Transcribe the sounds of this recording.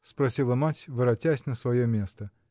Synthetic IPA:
spɾɐsʲilˠəmatʲvɨɾɐtʲasʲnəsvɐjomʲe̞st̪ə

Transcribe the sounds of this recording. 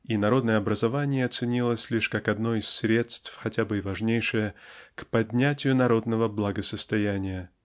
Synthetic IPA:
inɐɾo̞d̪nəjəɐbɾəzɐvanʲɪjəɐt̪sɨnʲilˠəsʲlʲiʂkakɐd̪no̞isːɾʲe̞t̪st̪fxɐtʲabɨɪvɐʐnʲejʂɨjəkpɐdʲnʲætʲɪjʊnɐɾo̞d̪nəvəblˠɐɡəsəst̪ɐjænʲɪjə

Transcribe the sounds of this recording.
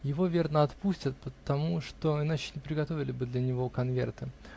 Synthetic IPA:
jɪvo̞vʲe̞rnəɐt̪pusʲtʲət̪pət̪ɐmuʂt̪o̞ɪnat͡ɕɪ̥nʲɪpɾʲɪɡɐt̪o̞vʲɪlʲɪbɨd̪lʲɐnʲɪvo̞kɐnvʲe̞̰rt̪ɨ

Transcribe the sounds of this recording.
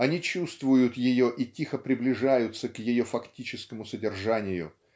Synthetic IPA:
ɐnʲit͡ɕust̪vʊjʊt̪jɪjoʔitʲixəpɾʲɪblʲɪʐajʊt̪səkjɪjo̞fɐktʲit͡ɕɪskəmʊsədʲɪrʐanʲɪjʊ̰

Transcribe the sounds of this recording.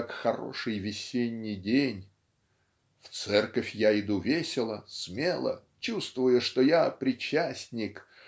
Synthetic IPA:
kxɐɾo̞̰ʂɨjvʲɪsʲenʲːɪjdʲenʲ | ft̪sɛrkəfʲjaɪd̪uvʲesʲɪlˠəsmʲe̞lˠə̰ | t͡ɕust̪vʊjʊʂt̪ojapɾʲɪt͡ɕːæsʲnʲɪk

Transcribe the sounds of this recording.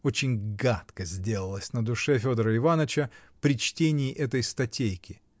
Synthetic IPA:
ot͡ɕɪnʲɡat̪kəzʲdʲelˠəlˠəsʲnəd̪ʊʂɛfʲod̪əɾəɪvanət͡ɕəpɾʲɪt͡ɕtʲenʲɪːʔɛt̪əjst̪ɐtʲejkʲɪ

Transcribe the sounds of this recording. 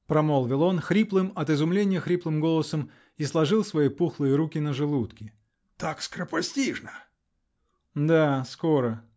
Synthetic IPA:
pɾɐmolˠvʲɪlˠo̞nxɾʲiplˠɨmɐt̪ɨzʊmlʲenʲɪjəxɾʲiplˠɨmɡolˠəsəm | islˠɐʐɨlˠsvɐjipuxlˠɨjəɾukʲɪnəʐɨlˠut̪kʲɪ | t̪akskɾəpɐsʲtʲiʐnə | d̪askoɾə

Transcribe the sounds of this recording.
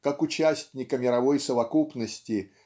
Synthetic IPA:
kakʊt͡ɕæsʲtʲnʲɪkəmʲɪɾɐvo̞jsəvɐkupnəsʲtʲɪ

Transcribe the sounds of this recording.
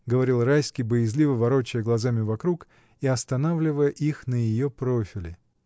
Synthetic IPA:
ɡəvɐɾʲilˠrajsʲkʲijbəjɪzʲlʲivəvɐɾot͡ɕːɪjəɡlˠɐzamʲɪvɐkɾuk | iɐst̪ɐnavlʲɪvəjəʔixnəjɪjopɾofʲɪlʲɪ

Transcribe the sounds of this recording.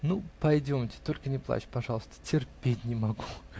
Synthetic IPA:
nupɐjdʲo̞mtʲɪ̥t̪olʲkənʲɪplˠa̰t͡ɕɪ̥pɐʐɑlˠəst̪ə̥tʲɪrpʲetʲnʲɪmɐɡu

